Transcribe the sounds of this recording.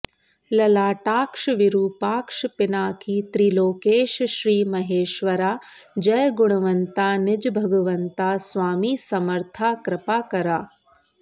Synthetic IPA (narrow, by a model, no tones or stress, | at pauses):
lɐlaːʈaːkʂʋiɾuːpaːkʂpɪnaːkiːt̪ɾiːloːkeːʃʃɾiːmɐɦeːʃʋɐɾaː | d͡ʒɐjɡʊɳ̃ɐʋɐnt̪aːnɪd͡ʒbʱɐɡɐʋɐnt̪aːsʋaːmiːsɐmɐɾt̪ʰaːkɾɪpaːkɐɾaː